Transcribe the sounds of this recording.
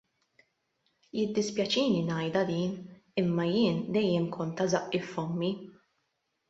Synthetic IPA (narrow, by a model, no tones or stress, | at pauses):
jɪd̪ːɪspjɐt͡ʃiːninɐjd̪ɐd̪iːnɪmːɐjɪːnd̪ɛjːɛmkʰɔnt̪ɐzɐʔːɪfːɔmːi